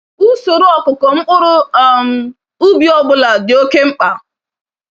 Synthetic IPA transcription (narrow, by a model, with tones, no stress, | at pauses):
u˦so˨ɾʊ˦ɔ˦kʊ˨kɔ˨ŋ͡m̩˦k͡pʊ˦ɾʊ˦˨m̩˨ | u˦bi˨˦ɔ˦bʊ˦la˨dɪ˨o˦ke˦ŋ͡m̩˦k͡pa˨